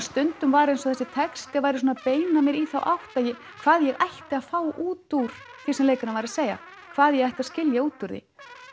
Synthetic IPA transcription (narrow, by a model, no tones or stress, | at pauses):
st̪ʏnt̪ʏmvaɾejnsɔθɛsːɪt̪ʰɛkst̪ɪavajɾɪs̬uːnapeːjnamjɛɾiθawʔawht̪aðjɛ | kʰvaːðjɛɣajht̪ɪaðfaːwʔuːt̪uɾ̥ | θisɛmleːjkanavajɾaseːjɣa̰ | kʰv̥aːðjɛɣajht̪aðscɪljauːt̪ːʏɾðɪ̰